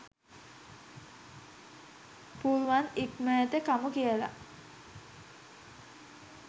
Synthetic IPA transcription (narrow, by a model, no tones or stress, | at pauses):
puɾuʋanikmɛːt̪ekamukiəla̰